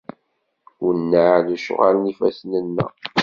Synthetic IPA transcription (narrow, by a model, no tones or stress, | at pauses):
ʊnːaðəʃo̰ʁalnifæsnənːæ̰